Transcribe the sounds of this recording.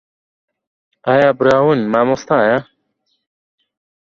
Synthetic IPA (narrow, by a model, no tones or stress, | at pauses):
ajabɾaːwunmamost̪ãja